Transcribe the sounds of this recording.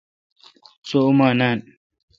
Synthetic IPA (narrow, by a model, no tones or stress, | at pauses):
soumaːnan